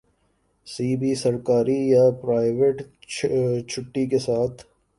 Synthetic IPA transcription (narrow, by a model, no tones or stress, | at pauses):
siːbisɐɾkaːɾijapɾaːɪʋeːʈ | t͡ʃʰʊʈːikesaːt̪ʰ